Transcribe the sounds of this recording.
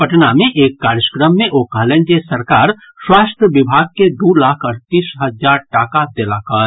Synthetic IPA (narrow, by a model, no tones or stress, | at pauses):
pəʈnamẽʔeːkːaːɾjəkɾəmːẽʔoːkəlẽnd͡ʒesɐɾkaːɾ | swaːst̪ʰjəʋɪbʱaːɡ̚ked̪uːlaːkʰɐɾt̪iːsɦəd͡ʒaːɾʈaːkad̪eːlaːkəɾ